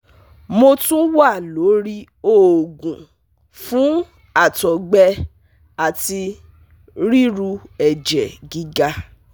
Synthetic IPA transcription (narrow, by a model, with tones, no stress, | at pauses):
mo˧tũ˦wa˦˨lo˨˦ɾi˦ | o˦˨o˨ɡũ˨ | fũ˨˦ | a˦˨tɔ˨ɡ͡bɛ˧ | a˨ti˧ | ɾi˦ɾu˧ɛ˨d͡ʒɛ˨ɡi˦ɡa˧